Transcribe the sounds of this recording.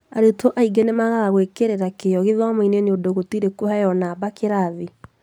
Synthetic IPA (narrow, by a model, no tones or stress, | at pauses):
aɾetʰoʔaiɡɛnemaɣaɣaɣoekeɾeɾakejɔɣeðwamaineneodoɣotiɾekohɛjɔnaːbakeɾaðe